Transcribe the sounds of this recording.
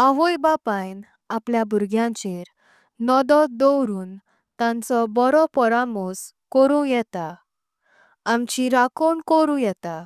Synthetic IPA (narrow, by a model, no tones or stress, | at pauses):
aɦojbapajn | apljabʱuɾɡʱjãɲt͡ɕeɾ | nɔd̪ɔd̪ɔwɾuːn | t̪ãnt͡sɔbɔɾɔpɔɾamos | kɔɾũjɛt̪a | amt͡ɕiɾakoɳkɔɾũjɛt̪a